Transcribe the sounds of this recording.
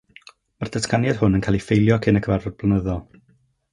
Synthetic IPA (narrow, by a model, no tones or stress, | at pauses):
mard̥əskanjad̥hʊnənkʰaːlˠifejlˠjɔkʰɪnəkʰəvarɔd̚b̥lˠənəðɔlˠ